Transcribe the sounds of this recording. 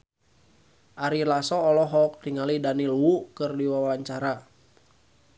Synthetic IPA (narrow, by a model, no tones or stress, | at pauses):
ʔaɾilasɔːlɔɦɔk̚tiŋalidanilwukɨrdiwawawaɲt͡ʃaɾa